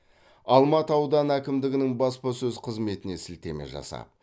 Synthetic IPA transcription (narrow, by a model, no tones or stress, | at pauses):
ɑlˠmɑt̪əɑwd̪ɑnækʲɪmd̪ɪɡʲɪnɪŋbɑspɑsɵzqʰəzme̞t̪ɪne̞sɪlt̪e̞me̞̰ʒɑ̰sɑ̰p̚